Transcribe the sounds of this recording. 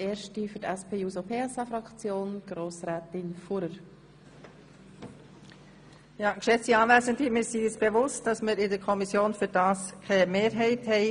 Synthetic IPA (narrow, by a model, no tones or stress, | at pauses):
eːɾʃtifʏtɛspʰeːjusopʰeːɛsɑfɾɑkt͡sjoːnɡ̥ɾoːsɾɛːtɪnfuɾəɾ | jɑːkʃɛt͡siɑːʋæːzəndimɪɾsiɪsb̥evʊst̚d̥ɑsmɪɾɪdəɾkʰɔmisjoːnfyɾd̥ɑːskʰɛmeːɾɦɛɪthɛɪ